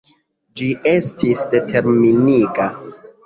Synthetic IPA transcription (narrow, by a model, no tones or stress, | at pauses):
d͡ʒiʔe̞stʰisde̞tʰe̞ɾminiɡa